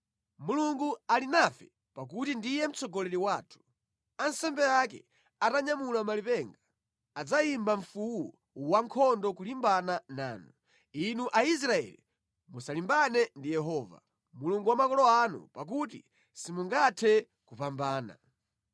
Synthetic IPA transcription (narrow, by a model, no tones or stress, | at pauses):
muluŋɡualinafɛ | pak̬utindijɛm̩t͡sɔɡɔlɛɾiwaːtʰu̥ | ansɛmbɛakɛ̰ | ataɲamulamalipɛŋɡaː | d͡zaimbaɱ̩fuwu | waŋkʰɔndɔkulimbanana̰ːnu | inuʔais̬ɾaɛ̰li | musalimbanɛndijɛɦɔːva̰ | muluŋɡuwamakɔlɔanṵpak̬utḭ | simuŋɡatʰɛ | kupambaːna̰